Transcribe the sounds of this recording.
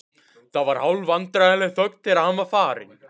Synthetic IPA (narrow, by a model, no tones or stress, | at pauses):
θavaɾ̥hawlvant̪ɾaðalɛɣθœk̚t̪ʰɪɾahamafaːɾɪ̰n